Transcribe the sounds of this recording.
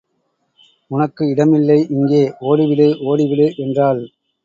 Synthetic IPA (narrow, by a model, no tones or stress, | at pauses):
ʊnɐkːɯɪɽɐmɪlːɐɪʔɪŋɡeːoːɽiʋɪɽɯʔoːɽɪʋɪɽɯʔɛndraːl